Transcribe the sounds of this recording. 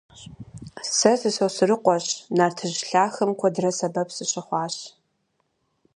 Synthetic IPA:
sɐsɨsowsɨrɨqʷɔɕnaːrtʰɨʑɬaːxɐmkʷʰɔdɨrɐsɐbɐpʰsɨɕɪχʷɑːɕ

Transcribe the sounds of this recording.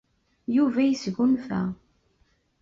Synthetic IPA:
juvæjəsɣunfæ̰

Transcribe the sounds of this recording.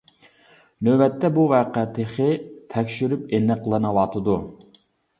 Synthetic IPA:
nøbɛt̪ʰːɛbuvɛːqæt̪ʰeχɪt̪ʰɛkʲʃyɾypenːɨqʰəlˠɨnɨwɑt̪ʰɨd̪u

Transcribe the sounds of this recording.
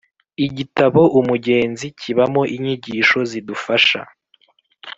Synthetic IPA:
iɟitaβo̞ʔumuɟe̞ːnzicʰiβamo̞ʔiɲiɟiːʃo̞zidufaʃa̰

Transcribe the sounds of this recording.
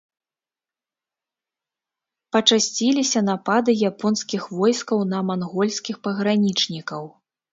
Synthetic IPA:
pɐt͡ʂasʲt͡sʲilʲisʲɐnapad̪ɨjapɔnskʲixvɔjskɐwnɐmanɣɔlʲsʲkʲixpɐɣɾanʲit͡ʂnʲikɐw

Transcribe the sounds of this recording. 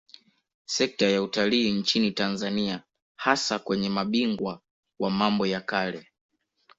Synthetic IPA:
sɛk̚tajautaliːnt͡ʃinitanzania | hasakwɛɲɛmaɓiŋɡwa | wamambɔjakalɛ

